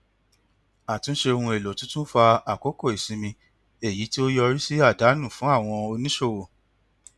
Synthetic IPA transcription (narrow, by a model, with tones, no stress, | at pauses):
a˨tũ˦ʃe˧o˧hũ˧e˨lo˨tũ˦tũ˦fa˧a˨ko˨˦ko˦˨i˨sĩ˨˧˦mĩ˧ | e˦˨ji˨˦ti˦o˦jɔ˧ɾi˦si˦a˦˨da˨˦nũ˦˨fũ˨˦a˦˨w̃ɔ̃˧o˧nĩ˦ʃo˦˨wo˨